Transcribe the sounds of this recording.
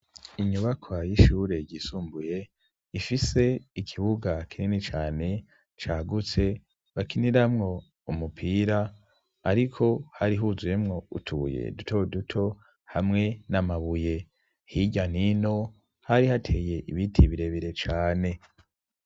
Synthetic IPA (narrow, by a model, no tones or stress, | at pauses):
iɲuβakʰwajiʃuːɾe̞ɟiːsuːmbuje̞ | ifise̞ikʰiβuɡakʰininit͡ʃaːne̞ | t͡ʃaːɡut͡se̞ | βakiniɾamŋo̞ | umupʰiːɾaː | ɾikʰo̞haɾiɦuzuje̞mŋo̞ṵtʰṵje̞̰dutʰo̞dutʰo̞ | hamŋe̞namaβuje̞ | hiɟanino̞ | haɾihatʰe̞ːje̞ʔiβitʰiβiɾe̞βiɾe̞t͡ʃaːne̞